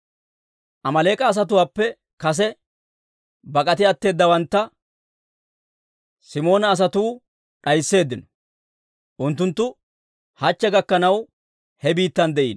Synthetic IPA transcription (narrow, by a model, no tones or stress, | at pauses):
ʔɐmɐle̞ːkʼɐːs̬ɐt̪̬ʊwaːpːɛ | kɐs̬ɛ | bɐkʼɐt̪ɪɐt̪ːe̞ːd̪ːɐwɐnt̪ːɐ | sɪmo̞ːnɐːs̬ɐt̪uː | ɗɐjsːe̞ːd̪ːɪnɔ̥ | ʔʊnt̪ːʊnt̪ːʊ | hɐt͡ʃːɛɡɐkːɐnɐw | hɛbiːt̪ːɐnd̪ɛʔiːn